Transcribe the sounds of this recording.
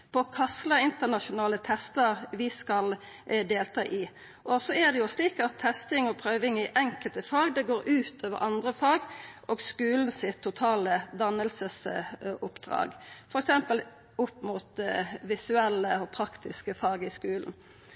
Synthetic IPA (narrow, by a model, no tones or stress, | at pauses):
pʰɔkʰɑsləɪnt̪ənɑʃʊnɑːlət̪ʰɛst̪əʁʋɪskɑl | d̪eːlt̪ʰɑːʔɪ | ʔɔsɔɛd̪ɛjʊsliːkɑt̪ʰːɛst̪ɪŋɔpʰʁøːʋɪŋɪʔɛŋkəlt̪əfɑːɡd̪ɛɡoːɾʔʉːt̪oːʋə̰ɾʔɑnd̪ʁəfɑːɡʔɔːɡskʉːln̩sɪt̪ʰːʊt̪ʰɑːləd̪ɑnːəlsəsʊpd̪ɾɑ̰ːɡfɔɾɛksɛmpəl | ʊpːmuːt̪ʋɪsʉɛlːəɔpʰɾɑkt̪ɪskəfɑːɡɪskʉːln̩